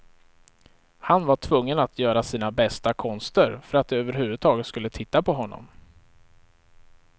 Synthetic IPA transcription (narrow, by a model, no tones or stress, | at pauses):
hanvaʈʰvɵŋːənat̪ʰjœːɾasiːnabɛst̪akʰɔnst̪əɾfœɾat̪̚d̪ɛøːvəɾɦʉ̟ːvɵd̪̚t̪ʰɑːɡət̪skɵlːət̪ʰɪt̪ːapʰɔɦɔnːɔ̰m